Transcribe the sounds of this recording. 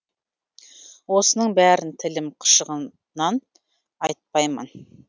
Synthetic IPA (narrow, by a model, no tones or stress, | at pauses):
wo̞sənəɴbæɾɪnt̪ʰɪlɪmqʰə̥ʃəʁə | nɑn | ɑjt̪̚pɑjmə̰n